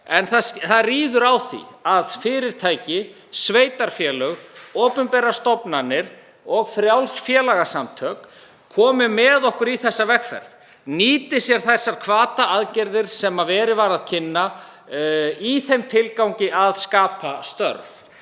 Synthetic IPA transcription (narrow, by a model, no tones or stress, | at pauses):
ɛnθaθaðriːðʏɾawθḭaðfɪːɾɪɾ̥t̪ʰaːjcɪ | sveːjt̪aɾ̥fjɛːlœɣɔːpʏmpɛɾast̪ɔpnanːɪɾ̥ | ɔɣfɾjawlsfjɛlaɣasamt̪ʰœːk | kʰːɔːmɪmɛðɔhkʏɾiθɛsːavɛxfɛ̰ɾð | niːt̪ɪsjɛɾ̥θɛsːaɾ̥kʰvaːt̪aʔaðcɪɾðɪɾ̥sɛmavɛːɾɪvaɾaðcʰɪnːa | iθejmt̪ʰɪlkawɲcɪaðskaːpʰast̪œ̰ɾf